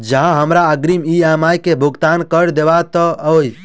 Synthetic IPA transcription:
d͡ʒəɦãɦəmɾaəɡɾimiamajkebʱʊɡt̪ankəɾd̪eʋat̪əoj

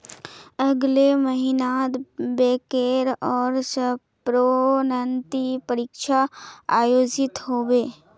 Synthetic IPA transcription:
əɡleməɦinaːd̪beːkeːɾɔːɾsə | pɾonənt̪ipəɾɪkʃʰaaːjoːd͡ʒɪt̪ɦoːweː

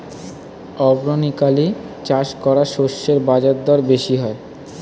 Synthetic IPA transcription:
ɔbɾonikali | t͡ɕaʃkɔɾaʃoʃːeɾbad͡ʑaɾd̪ɔɾbeʃiɦɔe

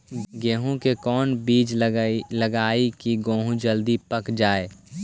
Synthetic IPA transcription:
ɡeːɦõkekɔːnbiːd͡ʒləɡaːikiɡõːɦũd͡ʒəld̪ipəkd͡ʒaːe

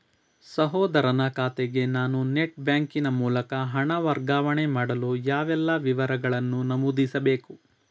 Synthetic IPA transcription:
sɐɦɔːd̪ɐɾɐnɐkaːt̪eɡe̞naːnuneʈbjaːŋkinɐmuːlɐkɐɦɐɳɐʋɐɾɡaːʋɐɳemaːɽɐlujaːʋɛlːɐʋiʋɐɾɐɡɐɭɐnːunɐmuːd̪isɐbe̞ːku

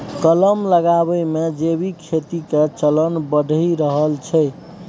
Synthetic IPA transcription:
kələmləɡabəjmed͡ʒebikʰet̪iket͡ʃələnbəɖʱəiɾəɦəlt͡ʃʰəj

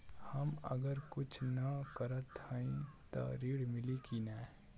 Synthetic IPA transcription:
hɐmə̰ɡəɾkʊt͡ʃʰnɐkəɾət̪haĩt̪ɔ̰ɾiːɽmɪlikinɛː

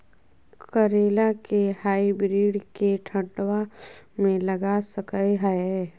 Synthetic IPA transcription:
kəɾeːlakehaːibɾiːɽkeʈʰə̃ɖwamẽlɐɡasəkəjɦəe

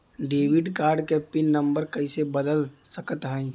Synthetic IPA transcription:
ɖeːʋɪɖkaːɾɖkepːinːə̃mbəɾkɐɪsebəd̪əlsəkət̪ɦə̃ĩ

